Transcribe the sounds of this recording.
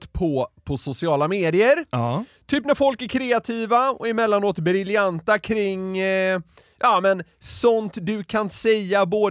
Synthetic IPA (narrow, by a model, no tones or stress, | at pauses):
pʰɔpʰɔsʊsɪɑːlameːd̪ɪəɾt̪ʰyːpnæɾfɔlkæɾkʰɾeːat̪ʰiːvaɔ̰æɪmɛlːanoːt̪bɾɪljant̪akʰɾɪŋː | jʔɑːmɛn | sɔnt̪d̪ɵkʰansɛjːaboː